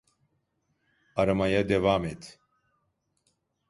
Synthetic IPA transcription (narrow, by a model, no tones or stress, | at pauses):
ɐɾɐmɐjɐd̪evaːmet̪ʰ